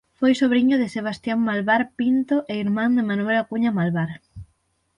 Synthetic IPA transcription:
fojsoβɾiɲoðɪseβ̞ast̪jaŋmalβaɾpint̪oʔeiɾmãnd̪emanwelakuɲamalβaɾ

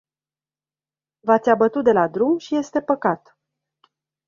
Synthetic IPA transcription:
vat̪sʲabət̪ut̪̚d̪e̞lad̪ɾumʃije̞st̪e̞pəkat̪

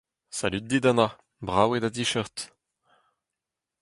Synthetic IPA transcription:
sa̰lyt̪̚d̪id̪ana | bʁawed̪ad̪iʃœʁt̪

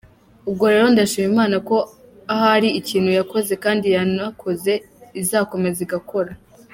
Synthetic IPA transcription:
ub̚ɡo̞ɾe̞ɾo̞ndaʃiːmimaːnako̞ | ahaɾiiciːn̥hujako̞ze̞kaːndijanakʰo̞ze̞ | izaːko̞me̞ziɡako̞ɾa

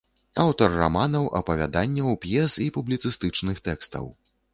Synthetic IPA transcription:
awt̪ɐrːa̰manɐwʔɐ̰pɐvʲa̰d̪anʲːɐwpjɛsipublʲit̪sɨst̪ɨt͡ʂnɨxt̪ɛkst̪ɐ̰w

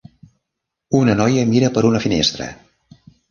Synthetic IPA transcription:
unənɔjəmiɾəpəɾunəfinest̪ɾə̰

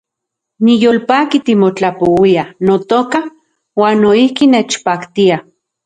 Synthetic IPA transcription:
nijoːlpaːkit̪imot͡ɬapowianot̪oːka | waːnːoihkineːt͡ʃpaːkt̪ia

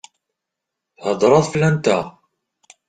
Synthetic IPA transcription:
θhəd̪ˤɾˤɑðˤflænt̪æ

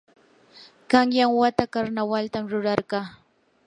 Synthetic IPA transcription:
kɑŋjaŋwat̪akaɾnawalt̪amɾʊɾɑɾɢɑː

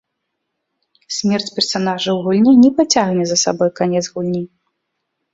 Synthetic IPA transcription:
sʲmʲɛrt͡sʲpʲɛrsanaʐɨwɣulʲnʲɛnʲɛpat͡sʲaɣnʲɛzɐsabɔjkanʲɛd̪zɣulʲnʲi

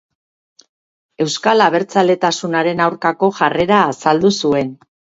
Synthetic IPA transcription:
e̞wskalaβ̞e̞ɾt͡sale̞t̪asunaɾe̞nawɾkako̞ʝare̞ɾaːsald̪usue̞n

